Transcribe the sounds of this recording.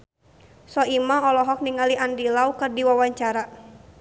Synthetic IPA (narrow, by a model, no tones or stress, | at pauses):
sɔimaɔlɔɦɔk̚niŋaliandilaukɨrdiwawaɲt͡ʃaɾa